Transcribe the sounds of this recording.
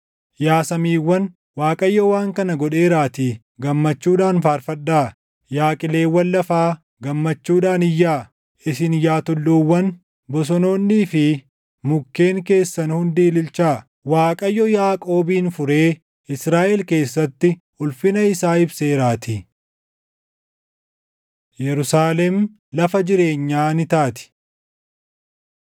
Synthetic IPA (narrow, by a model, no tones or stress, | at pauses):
jaːsɐmiːwːɐn | waːkʼɐjːɔwaːŋkɐnɐɡɔɗeːɾaːt̪iː | ɡɐmːɐt͡ʃːuːᶑaːnfaːɾfɐɗːaː | jaːkʼɪle̞ːwːɐnːɐfaː | ɡɐmːɐt͡ʃːuːᶑaːnɪjːaː | ɪsɪnjaːt̪ʊlːuːwːɐn | bɔs̬ɔno̞ːnːiːfɪ | mʊkːe̞ːŋke̞ːsːɐnhʊnd̪iːlɪlt͡ʃaː | waːkʼɐjːɔjaːkʼo̞ːbiːnfʊɾe̞ː | ɪsɾaːʔɛlke̞ːsːɐt̪ːɪ | ʊlfɪnɐɪsaːɪbse̞ːɾaːt̪ɪ | jɛɾʊsaːlɛm | lɐfɐd͡ʒɪɾe̞ːɲːaːnɪt̪aːt̪ɪ̥